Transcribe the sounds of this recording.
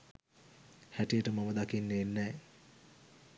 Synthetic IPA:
hæʈijəʈəmaməd̪akinːeːnːɛː

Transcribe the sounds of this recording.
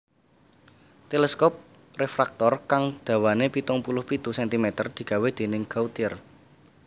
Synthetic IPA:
t̪elɛskɔp̚ | refɾak̚t̪ɔrkaŋd̪̥ä̤wanepit̪ʊŋpulʊhpit̪usɛnt̪imet̪ərd̪̥i̤ɡ̥a̤wehd̪̥e̤nɪŋɡaut̪ɪr

